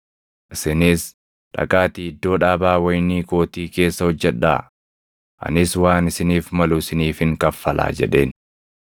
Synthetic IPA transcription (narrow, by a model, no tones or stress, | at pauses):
ʔɪsɪniːs | ᶑɐ̰kʼaːt̪iːɪd̪ːo̞ːᶑaːbaːwɐjniːko̞ːt̪iːke̞ːsːɐhɔd͡ʒːɛᶑa̰ː | ʔɐ̰nɪswaːnɪsɪniːfmɐlʊɪsɪniːfɪŋkɐfːɐlʔa̰ːd͡ʒɛ̰ᶑe̞ːn